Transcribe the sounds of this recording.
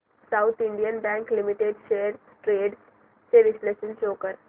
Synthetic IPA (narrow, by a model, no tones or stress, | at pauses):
saʊt̪ʰɪ̃ɳɖijənbɛ̃ŋklimiʈeɖʃeːəɾsʈɾeːɖ | seɾɪsleʃə̃nt͡ʃoːkəɾ